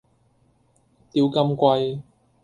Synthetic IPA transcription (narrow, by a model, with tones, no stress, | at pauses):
t̪iː˧wkɐ˧mkʷɐ˧j